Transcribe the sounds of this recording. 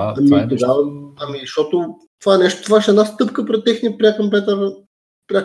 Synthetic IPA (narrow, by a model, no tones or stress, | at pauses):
ɐmit̪ɐɡaɐmiʃt̪ɔt̪o | t̪ovaɛnɛʃt̪o̥t̪ovaʃɛd̪nast̪ɤpkəpɾɛt̪ːɛxnipɾʲakomplɛt̪əɾ | pɾʲa